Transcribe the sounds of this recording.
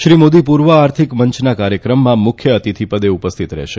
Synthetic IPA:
ʃɾimod̪ipuɾʋəaɾt̪ʰikməɲt͡ʃnakaɾjəkɾəmːãmʊkʰjəːt̪it̪ʰipəd̪eupəst̪ʰit̪ɾɛ̰ʃe

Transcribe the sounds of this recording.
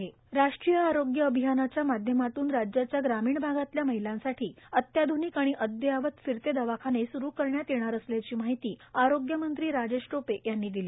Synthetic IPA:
ɦe | ɾaʂʈɾijəaɾoɡjəəbʱijanat͡ɕjamad̪ʱjəmat̪uːnɾad͡ʑjat͡ɕjaɡɾamiːɳbʱaɡat̪ljaməɦilãnsaʈʰiːət̪jad̪ʱuniːkaɽ̃iʔəd̪jəaʋət̪fiɾt̪ed̪əʋakʰanesuɾuːkəɾɳjat̪jeɽ̃aɾəsljat͡ɕiːmaɦit̪iːaɾoɡjəmənt̪ɾiːɾad͡ʑeɕʈopejanːiːd̪ili

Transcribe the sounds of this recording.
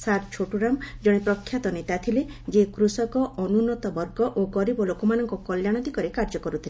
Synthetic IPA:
saɾt͡ʃʰoʈuɾamd͡ʒɔɽ̃epɾɔkʰːjat̪ɔnit̪at̪ʰiled͡ʒekɾusɔkɔɔnunɔt̪ɔbɔɾɡɔʔoɡɔɾibɔlokɔmanɔŋkɔkɔljaɽ̃ɔd̪ikɔɾekaɾd͡ʒɔkɔɾut̪ʰile

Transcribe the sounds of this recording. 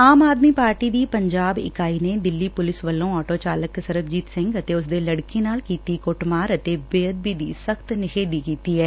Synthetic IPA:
aːmaːd̪miːpaːɾʈiːd̪iːpəɲd͡ʒaːbɪ̰kaːiːneːd̪ɪlːiːpʊlɪsʋəlːõːɔːʈoːt͡ʃaːləksəɾəbd͡ʒiːt̪sɪ̃ŋɡət̪eːʊs̬d̪eːləɽkeːnaːlkiːt̪iːkoːʈmaːɾət̪eːbeːəd̪̚biːd̪ḭːsəkʰt̪nɪkʰeːd̪iːkiːt̪iːɦɛː

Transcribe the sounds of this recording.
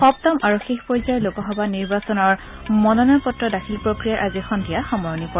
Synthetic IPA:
xɔptɔmaɹuxexpɹɔjzajɔlokɔɦɔbaniɹbasɔnɔɹ | mɔnɔnɔpɔtɹɔdakʰilpɹokɹijaʔazixɔndijaxɔmɔjɔnipɔ

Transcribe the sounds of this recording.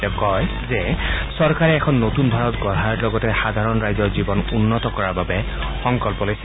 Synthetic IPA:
kɔj | zɛsɔɹkaɹɛːkʰɔnːotunbʱaɹɔtɡɔɹalɔɡɔtɛxad̪ʱaɹɔnɹajzɔɹzibɔnunːɔtɔkɔɹaɹbabɛ | xɔŋkɔlpɔlojs

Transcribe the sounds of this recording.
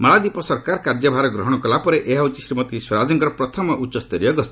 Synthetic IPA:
mɔɭad̪ipɔsɔɾkaɾkaɾd͡ʒɔbʱaɾɔɡɾɔɦɔɽ̃ɔkɔlapɔɾeʔeɦaut͡ʃisɾimɔt̪iswɔɾad͡ʒɔŋkɔɾɔpɾɔt̪ʰɔmɔʔut͡ʃːɔst̪ɔɾijɔɡɔst̪i̥

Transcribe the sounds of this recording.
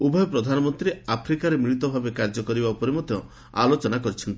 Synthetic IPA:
ubʱɔjɔpɾɔd̪ʱanɔmɔnt̪ɾiapʰɾikaɾemiɾit̪ɔbʱabekaɾd͡ʒɔkɔɾibaupɔɾemɔd̪ʱjɔ | a̰lot͡ʃɔnakɔɾit͡ʃʰɔnt̪i

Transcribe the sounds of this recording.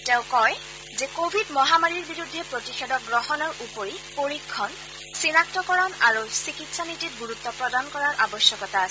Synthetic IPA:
tɛʊkɔj | zɛkobʱidmɔɦamaɹiɹbiɹudʱːɛpɹotixedɔk̚ɡɹɔhɔnɔɹupoɹipoɹikʰːɔn | sinak̚tɔkɔɹɔnaɹusikitsanitit̚ɡuɹut̪ːɔpɹɔdankɔɹaɹʔabɔsjɔkɔta

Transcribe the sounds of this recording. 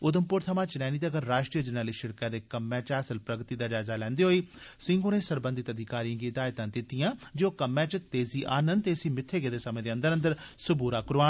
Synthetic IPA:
ʊd̪əmpʊɾt̪ʰəmaːt͡ʃnɛːniːd̪aɡəɾːaːʃʈɾiːəd͡ʒənəːliːʃɪɾkãːd̪eːkəmːɛ̃ːt͡ʃaːsəlpɾəɡt̪iːd̪aːd͡ʒaːzaːlɛ̃ːnd̪eːɦoːiːsɪ̃ŋɡoːneːsəɾbə̃nd̪ɪt̪əd̪ʱɪkaːɾijãːɡiːd̪aːjt̪ãːd̪ɪt̪ijãːd͡ʒoːkəmːɛ̃ːt͡ʃt̪eːziːʔaːnənd̪t̪eːəsĩːmɪt̪ʰːeːɡeːd̪eːsəmẽːd̪eːə̃nd̪əɾə̃nd̪əɾsʊbuːɾaːkʊɾaːn

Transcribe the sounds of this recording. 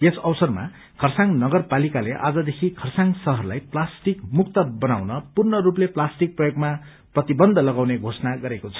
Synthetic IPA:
esʌwsʌrma̰ | kʰʌrsaŋnʌɡʌrpalikaleʔa̰d͡zʌd̪ekʰikʰʌrsaŋsʌɦʌrlajplasʈikmukt̪ʌbʌnawnʌpurnʌrupleplasʈik̚prʌjoɡma | prʌt̪ibʌnd̪ʱʌlʌɡawneɡʱosʌnaɡʌɾekot͡sʰʌ̥

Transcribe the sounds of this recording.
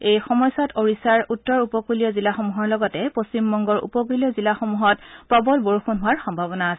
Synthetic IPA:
ejxɔmɔjsatoɹisaɹutːɔɹupɔkulijɔzilaxomuɦɔɹlɔɡɔtɛpost͡ɕimbɔŋɡɔɹṵpɔk̬ulijɔzilaxomuɦɔtpɔbɔlboɹuxunɦʊwaɹxɔmbʱabɔnaːsɛ

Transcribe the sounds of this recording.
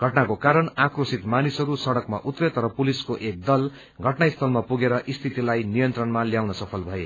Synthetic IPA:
ɡʱʌʈnakokaɾʌɳakrosit̪manisɦʌɾusʌɽʌkma̰ʔut̪ret̪ɾʌpuliskoʔek̚d̪ʌl | ɡʱʌʈnaist̪ʰʌlmapuɡeɾʌʔist̪ʰit̪ilajnijʌnt̪rʌnmaljawnʌsʌpʰʌlbʱʌe

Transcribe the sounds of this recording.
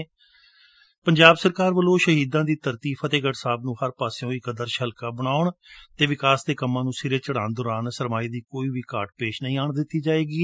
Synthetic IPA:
pəɲd͡ʒaːbsəɾkaːɾʋəloːʃəɦiːd̪ãːd̪iːt̪əɾt̪iːfʰət̪eːɡəʈsaːbnũːhəɾpaːsejõːikəd̪əɾʃəlkaːbəɽ̃aːʊɳt̪eːʋɪkaːsd̪eːkəmːãːnũːsɪɾeːt͡ʃəɽaːnd̪ʊːɾaːnsəɾmaːiːd̪iːkoːiːʋiːkaːɾʈpeːʃnəɦĩːaːɳd̪ɪt̪ːiːd͡ʒaːeːɡiː

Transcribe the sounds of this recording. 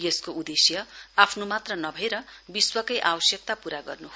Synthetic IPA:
jeskoʔud̪esjʌapʰnomat̪rʌnʌbʱʌɾʌbiswʌkʌjʔawʌsjʌk̚t̪apuɾaɡʌ̰rnuɦo

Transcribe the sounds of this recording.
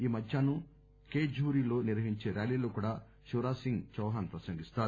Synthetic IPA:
iːmɐd̪ʱjaːnu | keːd͡ʒuːɾilo̞ːniɾʋɐɦiɲt͡ʃe̞ːɾjaːliːloːkuːɽaː | ʃuɾaːsiŋɡt͡ʃɐwɦaːnpɾɐsɐŋɡist̪aːɾ

